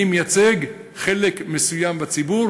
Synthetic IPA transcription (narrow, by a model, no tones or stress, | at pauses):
imjat͡seɡ | χe̞lekmesujambat͡sibuʁ